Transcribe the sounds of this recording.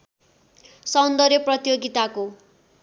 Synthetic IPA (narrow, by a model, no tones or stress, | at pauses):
sʌwnd̪ʌɾjʌprʌt̪joɡit̪ako